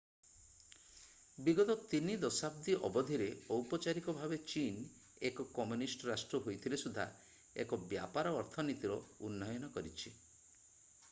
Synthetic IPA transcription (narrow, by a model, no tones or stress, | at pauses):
biɡɔt̪ɔt̪inid̪ɔsab̚d̪iʔɔ̰bɔd̪ʱiɾeɔwpɔt͡ʃaɾikɔbʱabet͡ʃin | ekɔkɔmjunisʈɔɾasʈɾɔɦojt̪ʰilesud̪ʱa̰ | ḛkɔbja̰paɾɔːɾt̪ʰɔnit̪iɾɔunːɔjɔnɔkɔɾit͡ʃʰi